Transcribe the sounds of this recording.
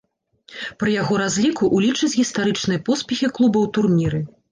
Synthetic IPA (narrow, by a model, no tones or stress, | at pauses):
pɾɨjaɣɔɾazʲlʲikuʔulʲit͡ʂɨt͡sʲɣʲist̪aɾɨt͡ʂnɨjɐpɔspʲɛxʲiklˠubɐwt̪urmʲiɾɨ